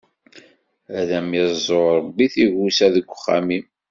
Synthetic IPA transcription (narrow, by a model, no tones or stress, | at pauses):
æðæmezˤoɾˤəbːiθiʝusæðəɡʷːəχːæ̰mim